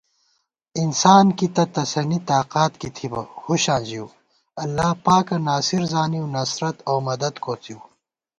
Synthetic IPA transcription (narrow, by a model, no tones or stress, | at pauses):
insaːnkit̪ɐt̪ɐsɐnit̪aːqaːt̪kit̪ʰibɐhuɕãːnd͡ʑiw | ɐlːaːpaːkɐnaːsiɾzaːniwnɐsɾɐt̪ɐwmɐd̪ɐd̪koːt͡siw